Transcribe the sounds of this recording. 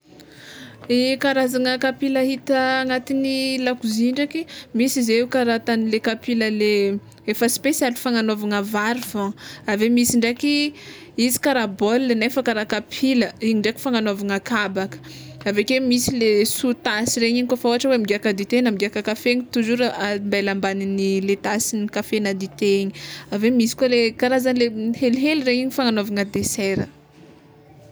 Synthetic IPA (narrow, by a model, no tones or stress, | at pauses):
ikaɾazaŋəkapilaɦit̪əːŋat̪inilakuziɳɖ͡ʐakimisizeukaɾat̪anilekapiləle | efəspesalifaŋanovaŋəvaɾifɔ̃avemisiɳɖ͡ʐeki | izi̥kaɾabolːenefakaɾakapʰiləiɲiɳɖ͡ʐaki̥faŋanovaŋakabakə̥ | avekwemisilesut̪asiɾeɲiɲikofaoaʈ͡ʂəwemiɡeakad̪it̪enamiɡeakakafeɲit̪uzuɾambalambaninilet̪asinikafenad̪it̪eɲiavemisi̥kwalekaɾazanlehelɦelireɲiɲifaŋanovaŋəd̪esɛɾə̰